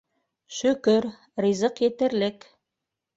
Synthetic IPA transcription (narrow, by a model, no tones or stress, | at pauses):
ʃɵ̆kɵɾ | rizɤqjɘ̆t̪ɘ̆ɾlɘk